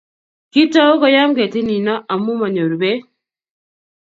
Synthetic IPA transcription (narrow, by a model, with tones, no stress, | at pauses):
ki˦ta˦o˦kɔ˦ja˦mɡe˨tɪ˦ni˨nɔ˦ʔa˨mu˦ma˨ɲo˨ɾbe˦